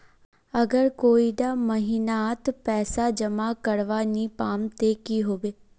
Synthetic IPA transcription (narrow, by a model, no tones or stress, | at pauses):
ɐɡəɾkoːiɖamɐɦiːnat̪pɛːsad͡ʒɐmakɐɾʋaːnipaːmt̪ekiɦoːʋeː